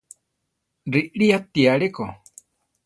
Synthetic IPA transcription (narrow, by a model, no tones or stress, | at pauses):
riʔɺiat̪iaɺeko